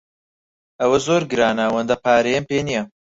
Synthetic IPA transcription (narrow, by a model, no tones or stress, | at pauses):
ɐwɐzoːɾɡɨɾaːnaːwɐnd̪ɐpaːɾejɐmpeːnijɐ